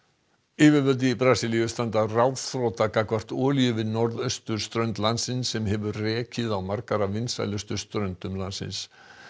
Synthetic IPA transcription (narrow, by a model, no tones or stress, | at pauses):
ɪːvɪvœlt̪̬ɪipɾaːsɪlijʏst̪ant̪arawðθɾɔːwt̪akakvar̥t̪ɔːljʏvɪðnɔɾðœst̪ʏɾ̥st̪ɾœɥnt̪lant̪sɪnsːɛmɦɛvʏɾrɛːcɪðawmaɾkaɾavɪnsa̰jlœst̪ʏɾ̥st̪ɾœɥnt̪ʏmlansɪ̰ns